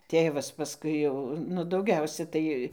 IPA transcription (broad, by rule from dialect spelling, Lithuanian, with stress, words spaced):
ˈtʲeːʋɐs pɐˈskʊɪ jɛʊ nʊ dɐʊˈɡʲɛʊsʲɛ ˈtɐɪ